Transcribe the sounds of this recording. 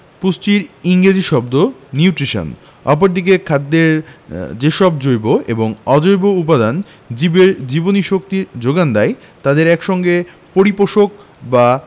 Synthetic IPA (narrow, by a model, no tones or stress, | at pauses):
pust͡ɕiɾiŋɡed͡ʑiʃɔbd̪oniuʈɾiʃo̰n | ɔ̰p̬oɾd̪ik̬ekʰad̪ːeɾd͡ʑeʃɔb̚d͡ʑojboʔḛboŋɔd͡ʑojboupad̪an | d͡ʑibeɾd͡ʑiboniʃok̚t̪iɾd͡ʑoɡand̪ae | t̪ad̪eɾɛkʃɔŋɡe | poɾipoʃok̚ | ba